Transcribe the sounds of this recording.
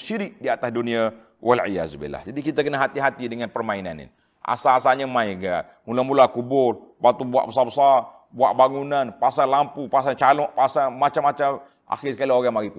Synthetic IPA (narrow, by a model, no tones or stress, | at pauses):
ʃiɾɪk̚diat̪asdunia | wʔalʕḭja̰zubḭlːa̰hd͡ʒadikit̪akənaɦat̪iɦat̪idəŋanpərmaina̰nḭn | ʔa̰sasaɲamãjɡaʔ̚ | mulamulakubʊlbat̪ubua̰ʔbəsabəsar | buaʔbaŋunanpasalampupas̬aɲt͡ʃalɔʔpasamat͡ʃamːat͡ʃam | ʔa̰xɪsəkalioɣamaɡip̪u